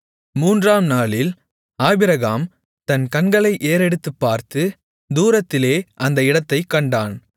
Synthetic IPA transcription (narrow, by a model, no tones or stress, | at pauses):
muːndraːmnaːɭɪl | aːbɪɾɐɣaːm | t̪ɐnkɐnɡɐɭɐɪʔeːɾɛɽɯt̪ːɯpːaːɾt̪ɯ | d̪uːɾɐt̪ːɪleːʔɐnd̪ɐɪɽɐt̪ːɐɪkːɐɳɖaːn